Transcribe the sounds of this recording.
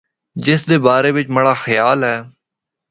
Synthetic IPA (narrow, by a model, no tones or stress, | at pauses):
d͡ʒɪsd̪eːbaːɾeːʋɪt͡ʃməɽaːxəjaːlɦɛː